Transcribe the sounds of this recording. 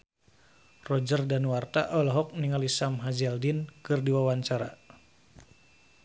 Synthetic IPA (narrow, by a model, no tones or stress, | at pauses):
rɔd͡ʒərdanwart̪aʔɔlɔɦɔk̚niŋalisamɦad͡ʒaldinkɨrdiwawaɲt͡ʃaɾa